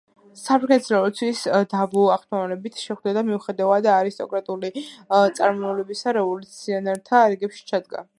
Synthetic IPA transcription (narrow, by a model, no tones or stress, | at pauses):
sapʰɾɡɛnɛt̪zɾɔɔt̪sʰwisd̪avuaχt̪ʰavalɛbit̪ʰʃɛχvd̪ad̪amiuχɛd̪avad̪aːɾist̪ʼɔ̰kʼɾat̪ʼulit̪sʼaɾmɔɛlɛbisaɾɛvɔlut̪sʰiɔnɛɾt̪ʰaɾɛɡɛpʃi̥t͡ʃʰad̪ɡa̰